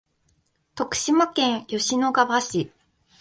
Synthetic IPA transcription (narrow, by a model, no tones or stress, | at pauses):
t̪o̞kɯ̟̥ɕimakẽ̞ɰ̃jo̞ɕino̞ɡabaɕi